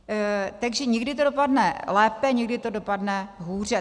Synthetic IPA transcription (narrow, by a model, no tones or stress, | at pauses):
t̪aɡʒɛɲɛɡdɪt̪odopadnɛlɛːpɛɲɛɡdɪt̪odopadnɛɦuːr̝ɛ